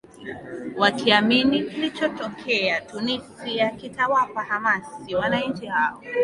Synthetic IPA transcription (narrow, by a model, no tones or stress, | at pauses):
wakʰiaminikilit͡ʃɔtɔkʰɛatunipiakitawapahamasiwanaĩɲt͡ʃihaɔ